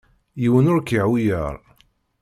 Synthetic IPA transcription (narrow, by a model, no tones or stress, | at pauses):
jiwənʊɾkiʕwijə̰ɾˤ